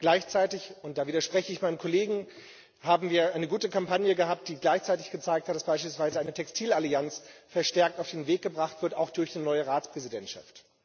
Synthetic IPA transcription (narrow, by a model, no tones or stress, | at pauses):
ɡ̥laɪçt͡saɪtɪçʊnt̚d̥aːviːdɐʃpʁ̥ɛçəɪçmaɪnəmkʰɔleːɡŋ̩ | haːbm̩viːɐʔaɪnəɡuːtəkʰampanjəɡəɦaːp̚t̚d̥iːɡlaɪçt͡saɪtɪçɡ̥ət͡saɪk̚tʰhatd̥asb̥aɪʃpilsv̥aɪzəaɪnətʰɛkstʰiːlaliant͡sfɛɐʃtɛɐktaʊfd̥eːnveːk̚ɡ̥əbʁaχtv̥ɪɐtaʊxd̥ʊɐçnənɔʏəʁaːt͡spʁ̥ɛzidɛntʃa̰ft